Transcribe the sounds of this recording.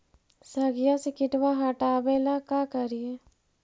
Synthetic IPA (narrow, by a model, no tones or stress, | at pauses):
sɐɡɪjasekɪʈwaɦaʈaːbelakaːkəɾije